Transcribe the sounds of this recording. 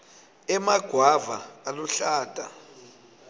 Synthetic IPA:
ɛmaɡ̥ʱwavaaluɬaːtʼa̰

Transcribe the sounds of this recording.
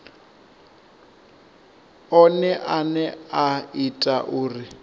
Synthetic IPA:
ɔnɛʔanɛaitʼaʔʊːrɪ

